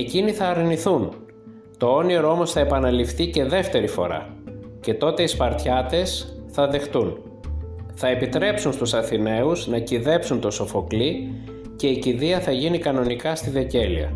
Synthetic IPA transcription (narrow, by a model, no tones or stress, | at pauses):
eciniθɐːɾniθun | t̪o̞o̞nioɾoo̞mo̞sθɐepɐnɐlifθice̞ðe̞ft̪e̞ɾifo̞̰ɾɐ̰ | ce̞t̪o̞t̪e̞ispɐɾt̪çɐt̪e̞sθɐðe̞xt̪un | θɐe̞pit̪ɾe̞psunst̪usɐθine̞uznɐciðe̞psunt̪o̞so̞fo̞kli | ce̞iciðiɐθɐʝinikɐno̞nikɐst̪iðe̞ce̞lḭɐ̰